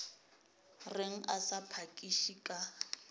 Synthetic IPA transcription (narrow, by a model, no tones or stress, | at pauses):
reŋ̩asapʰakʼiʃikʼa